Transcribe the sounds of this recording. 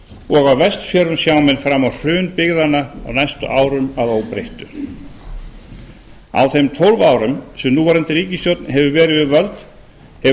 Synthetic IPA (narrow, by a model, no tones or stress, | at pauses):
ɔɣawvɛst̪fjœɾʏmsjaːwmɛnfɾamːawr̥ʏːnpɪɣðanːaawnajst̪ʏ̰ʔaːwɾʏmaðowpɾejht̪ʏ | a̰wθejmt̪ʰolvaːwɾʏmsɛmnuːvaɾɛnt̪ɪɾiːcɪsjowt̪nɦɛvʏvɛːɾɪvɪðvœlt̪ | hɛ